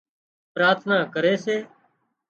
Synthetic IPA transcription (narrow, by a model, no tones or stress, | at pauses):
pɾaːt̪ʰnaːkəɾeːseː